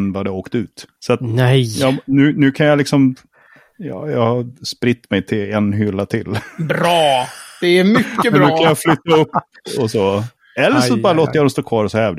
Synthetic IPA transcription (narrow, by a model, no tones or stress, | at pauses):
nvad̪ɛaoːkt̪ʉ̟ːt̪sat̪jɑnʉ̟ːnʉ̟ːkʰanjalɪksɔm | jɑːjɑːɡhaspɾɪt̪ːmɛjt̪ʰɪlɛnɦʏlːat̪ʰɪlbɾɑːd̪̥ɛæɾmʏkːəɾʉːkanjaflʏt̪ːaɵpː | ɔso | ɛlːəʂɔbɑːɾaloːt̪əjad̪ɔmst̪oːkʰvɑːɾɔsɔhɛːvd̪